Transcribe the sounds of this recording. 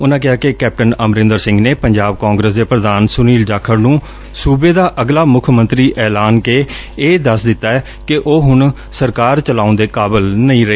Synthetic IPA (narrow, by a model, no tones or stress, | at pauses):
ʊnãːk̬ɪɦaːkekɛːp̚ʈənəmɾɪ̃nd̪əɾsɪ̃ŋɡneːpəɲd͡ʒaːb̚kãːŋɡɾeːs̬d̪eːpɾəd̪aːnsʊniːld͡ʒaːkʰəɾnũː | suːbeːd̪aːʔəɡlaːmʊkʰmə̃nt̪ɾiːʔɛːlaːnkeː | eːd̪əsd̪ɪt̪ːaːɛː | kɪʔoːɦʊɳ | səɾkaːɾt͡ʃəlaːʊ̃nd̪eːkaːbəlnəĩːɾəeː